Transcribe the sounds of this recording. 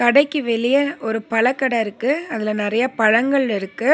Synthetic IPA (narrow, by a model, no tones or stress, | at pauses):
kɐɽɐɪkːɯʋɛɭɪjɐɔɾɯpɐɭɐkːɐɽɐɪɾɯkːɯɐðɪlɐnɪɾɐjɐpɐɻɐŋɡɐɭɪɾɯkːɯ